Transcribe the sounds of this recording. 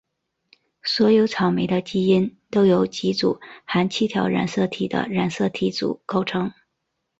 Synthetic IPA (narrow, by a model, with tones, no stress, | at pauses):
swɔ˧˥jo˧˥ʊt͡sʰɑ˨˩ʊme˧˥ɪd̪ə˧t͡ɕi˥i˥nt̪o˥ʊjo˧˥ʊt͡ɕi˧˥t͡su˨˩xa˧˥nt͡ɕʰi˥t̪ʰjɑ˧˥ʊɻa̰˨˩nsɤ˥˩t̪ʰi˨˩d̪ə̰˦ɻa˨˩nsɤ˥˩t̪ʰi˧˥t͡sṵ˨˩ko˥˩ʊʈ͡ʂʰɤ˥ŋ